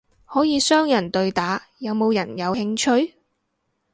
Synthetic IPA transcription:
hɔː˨˥jiː˧sœː˥ŋjɐ˨˩nt̪ɵ˨ɥt̪aː˨˥ | jɐ˨˧wmo˨˧wjɐ˨˩njɐ˨˧whɪ˧ŋt͡ʃʰɵ˥ɥ

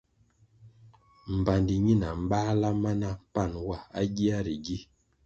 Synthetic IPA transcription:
m̩˨ba˨ndi˨ɲi˦˨na˨m̩˦baː˦la˦ma˦na˦pa˦˨nwa˦˨a˦ɡi˦a˦ɾi˨ɡi˦

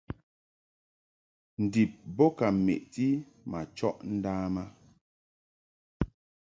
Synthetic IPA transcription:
n̩˨di˨p̚bɔ˦ka˨mḛ˨ʔti˦ | ma˨t͡ʃɔ˦ʔn̩˦daː˦ma˦

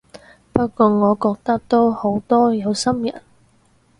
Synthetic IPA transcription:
pɐ˥t̚kʷɔː˧ŋɔː˨˧kɔː˧k̚t̪ɐ˥k̚t̪o˥who˨˥wt̪ɔː˥jɐ˨˧wsɐ˥mjɐ̰˨˩n

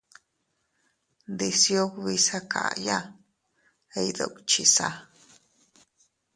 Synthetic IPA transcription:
d̪i˧sjo˦kβi˧sa˦kʰa̰˨ja˦ | e˧jd̪o̰˨kt͡ʃi˨sa̰˦

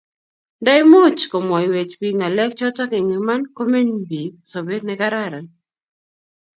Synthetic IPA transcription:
da˦jmo˦t͡ʃkɔ˨mwa˨iwe˨t͡ʃbiŋa˨lɛ˦k̚t͡ʃɔ˦ta˦ke˨ŋi˨ma˦nko˦me˦ɲbi˨k̚so˨be˦ɾnɛka˦ɾaɾa˨n

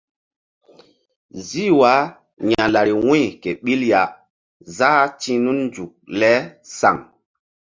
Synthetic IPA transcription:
zi˦wa˨˦ | ɲa˨la˨ɾi˨wũ˦jke˨ɓi˦lja˨ | za˦tĩ˦nu˦nnd͡ʒu˨k̚lɛ˦sa̰˨ŋ

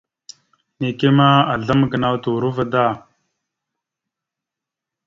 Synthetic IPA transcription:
ne˨ki˦ma˦a˨ɮə˦mɡə˨na˦wt̪u˨ɾu˦və˨d̪aː˦

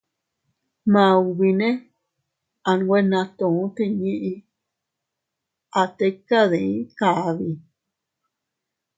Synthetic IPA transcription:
mã˨˧u˧βi˧nẽ˦ | a˨˧n˧wʷe˦nã˧t̪õ˧˨ũ˦t̪i˦˧ɲĩ˦ʔi˧ | a˨t̪e˦ka˦ðe˨ĩ˦ka˨˧˨βi˧

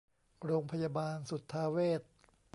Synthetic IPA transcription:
ɾoː˧ŋpʰa˧jaː˧baː˧nsu˨˩t̪ʰːaː˧weː˥˩t̪̚

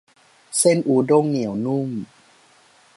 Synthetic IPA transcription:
se˥˩nʔuː˨˦do˥˩˨ŋːi˨˩˦əwnu˥˩˨m

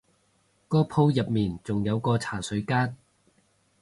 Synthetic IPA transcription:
kɔː˥pʰo˧˥wjɐ˨p̚miː˨˩nt͡sʊ˨ŋjɐ˨˧wkɔː˧t͡sʰaː˨˩sɵ˨˧˥ɥkaː˥n

